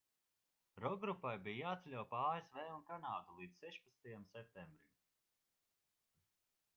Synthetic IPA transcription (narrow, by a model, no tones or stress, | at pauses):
ɾɔɡɾupajbijjaːt̪selʲɔwpaaesveːunkanaːd̪ulˠiːt̪ssɛʃpḁt̪st̪ajamsɛp̚t̪embɾim